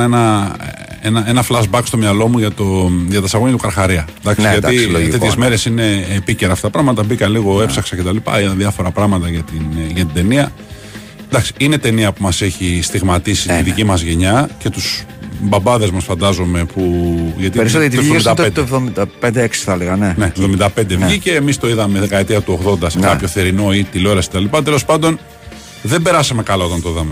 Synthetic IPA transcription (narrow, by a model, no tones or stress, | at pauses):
enɐ | enɐe̞nɐflɐzbɐkst̪o̞mɲɐlo̞muʝɐt̪o̞ʝɐt̪ɐsɐɣoɲɐt̪ukɐɾxɐɾiɐd̪ɐksʝɐt̪iloeçezme̞ɾe̞sine̞ːpice̞ɾɐft̪ɐt̪ɐpɾɐɣmɐt̪ɐbikɐliɣo̞e̞psɐksɐcet̪ɐlipɐ̰it̪ɐðjɐfo̞ɾɐpɾɐɣmɐt̪ɐʝɐt̪inʝɐt̪id̪e̞niɐ | d̪ɐksi̥ine̞t̪e̞niɐpumɐseçist̪iɣmɐt̪isiiðicimɐzʝe̞ɲɐce̞t̪usbɐbɐðe̞zmɐsfɐnd̪ɐzo̞me̞puʝɐt̪ieɾisot̪evðomd̪ɐd̪evðomid̪ɐpend̪eeksi̥θɐleɣɐnenevðo̞mind̪ɐpend̪evʝice̞ːmist̪o̞iðɐme̞ðe̞kɐet̪iɐt̪uoɣðo̞nd̪ɐsekɐppço̞θeɾino̞it̪ilo̞ɾɐsket̪ɐlipɐt̪e̞lo̞spɐnd̪o̞n | ðembe̞ɾɐsɐme̞kɐlao̞t̪ɐnt̪oiðɐme